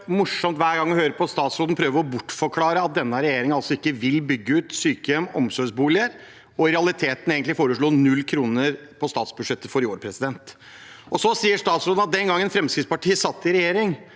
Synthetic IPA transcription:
mʊʂɔmt̪ʋæːɾɡɑŋːɔhøːɾəpɔst̪ɑːt̪sɾoːd̪ən̩pʰɾøːʋəɾɔbʊʈːfɔɾkʰlɑːɾəɑt̪̚d̪ɛnːəɾɛjeːɾɪŋɑlsɔɪkːəʋɪlbʏɡːəʉːt̪syːkəjɛmɔmsɔʂbuːlɪəɾ | ɔɪɾɛɑlɪt̪ʰeːt̪n̩eːɡənt̪lɪfoːɾəʂɭuːnʉlːkʰɾuːnəɾpʰɔst̪ɑːt̪sbʉd̪ʂɛt̪ːəfɔɾɪoːɾpʰɾɛsɪd̪ɛnt̪ | ɔsɔsiːəʂt̪ɑːt̪sɾoːd̪n̩ɑt̪̚d̪ɛnɡɑŋːɛnfɾɛmskɾɪt̪spɑʈʰiːəsɑt̪ːɪɾɛjeːɾɪŋ

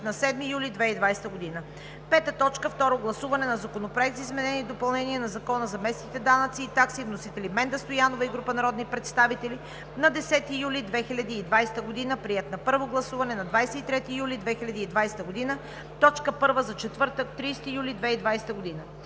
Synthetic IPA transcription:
nɐsɛd̪mijulʲid̪vɛid̪vajst̪əɡod̪inə | pɛt̪ət̪ɔt͡ʃkəft̪ɔɾoɡlˠɐsuvɐnɛnɐzɐkonopɾoɛk̚t̪zizmɛnɛniːd̪opɐlˠnɛniɛnɐzɐkɔnəzɐmɛsnit̪ɛd̪anət̪siːt̪aksivnosit̪ɛlimɛnd̪əst̪ojanovəiɡɾupənɐɾɔd̪nipɾɛt̪st̪avit̪ɛli | nɐd̪ɛsɛt̪iːjulid̪vɛxilʲɐd̪iːd̪vajst̪əɡod̪inəpɾiɛt̪nɐpɤɾvoɡlˠɐsuvɐnɛnɐd̪vajsɛit̪ɾɛt̪iːjulʲid̪vɛxilʲɐd̪iːd̪vajsɛ̥t̪əɡod̪inə | t̪ɔt͡ʃkəpɤɾvəzɐt͡ʃɛt̪vɤɾt̪əkt̪ɾiːst̪ijulʲid̪vɛid̪vajsɛ̥t̪əɡod̪inə

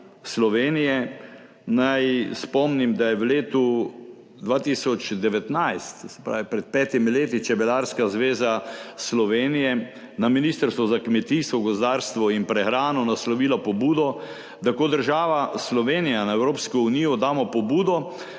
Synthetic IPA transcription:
slɔʋeːnijɛ | najspɔmnimd̪ajɛʋleːt̪u | d̪ʋaːt̪isɔt͡ʃd̪ɛʋɛt̪najst̪sɛ̥pɾaːʋipɾɛt̪̚pɛːt̪imileːt̪it͡ʃɛbɛlaɾskazʋeːzaslɔʋeːnijɛ | naminiːst̪əɾst̪ʋɔzakmɛt̪ist̪ʋɔɡɔzd̪aːɾst̪ʋɔinpɾɛxɾaːnɔnaslɔʋiːlapɔbuːd̪ɔ | t̪akoːd̪əɾʒaːʋaslɔʋeːnijanaɛwɾoːpskɔuniːjɔd̪aːmɔpɔbuːd̪ɔ

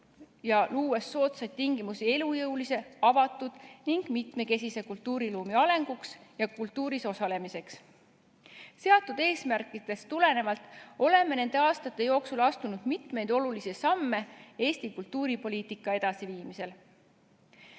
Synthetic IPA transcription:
jɑluːwesːo̞ːt̪sɑjd̪̚t̪iŋɡ̥imusie̞lujɤwlise̞ɑvɑt̪ːˑud̪̥niŋɡ̥mit̪me̞ke̞sise̞kult̪ːuːɾiluːmiɑle̞ŋɡ̥uksjɑkult̪ːuːɾiso̞sɑle̞mise̞ks | se̞ɑt̪ːud̪̥e̞ːsmærkˑit̪ːe̞st̪ule̞ne̞vɑlt̪ˑo̞le̞mːe̞ne̞nd̪e̞ɑːst̪ɑt̪ˑːe̞jo̞ːksulɑst̪unud̪̥mit̪me̞jd̪̥o̞lulisisɑmːe̞e̞ːsʲt̪ikult̪ːˑuːɾipo̞liːt̪ikːˑɑe̞d̪̥ɑsiviːmise̞l

